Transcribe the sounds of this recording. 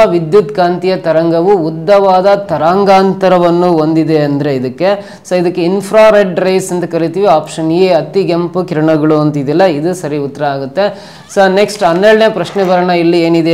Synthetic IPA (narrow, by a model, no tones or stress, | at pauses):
ɐʋid̪jut̪kaːnt̪ijɐt̪ɐɾɐŋɡɐʋuːd̪ːɐʋaːd̪ɐt̪ɐɾaŋɡaːnt̪ɐɾɐʋɐnːuond̪id̪eɐnd̪ɐɾe̞id̪ɐkːe̞ | soːid̪ɐkːeinpʰɾaːɾeɖɾɐjsɐnt̪ɐkɐɾit̪iːʋiaːpʂɐnieɐt̪iɡempukiɾɐɳɐɡɐɭuɐnt̪ɐid̪ilːɐid̪usɐɾiut̪ːɐɾɐaːɡut̪ːe̞ | sɐneksʈɐnːeːɭneːpɾɐʃnebɐɾɐɳɐilːieːnid̪e